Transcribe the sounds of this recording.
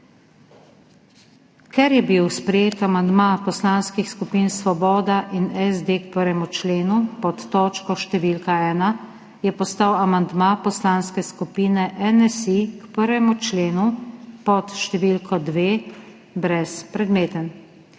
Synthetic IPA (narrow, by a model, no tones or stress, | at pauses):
kɛɾjɛbiwspɾɛjeːt̪amand̪mapɔslaːnskixskupiːnsʋɔbɔːd̪aʔinɛzd̪ekpəɾʋɛmut͡ʃleːnupɔt̪ːɔːt͡ʃkɔʃt̪ɛʋiːlkaɛːna | jɛpɔst̪awamand̪mapɔslaːnskɛskupiːnɛʔɛnɛsikpəɾʋɛmut͡ʃleːnupɔt̪ʃt̪ɛʋiːlkʰɔd̪ʋeː | bɾɛspɾɛd̪meːt̪ən